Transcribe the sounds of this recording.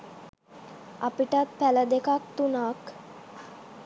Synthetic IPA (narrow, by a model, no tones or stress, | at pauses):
apiʈat̪pæləd̪ekakt̪unaːk